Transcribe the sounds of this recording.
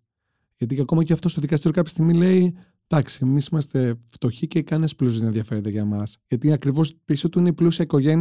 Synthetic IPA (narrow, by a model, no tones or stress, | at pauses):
ʝɐt̪iɐko̞mɐceɐft̪ost̪oðikɐst̪iɾjoɐpçe̥st̪iɣmile̞i | t̪ɐksiemisimɐst̪e̞ft̪o̞çice̞kɐnesplus̬izienðjɐfe̞ɾet̪eʝɐmɐsʝɐt̪iɐkɾivo̞spisot̪uineiplusiɐiko̞ʝe̞n